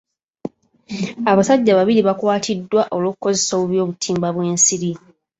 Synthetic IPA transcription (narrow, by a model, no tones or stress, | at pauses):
aβasaɟːaβaβiɾiβakwaːtʰidːwaʔo̞lo̞ːkuko̞ze̞so̞ːβuβjo̞ːβutʰiːmbaβwe̞ːnsiɾi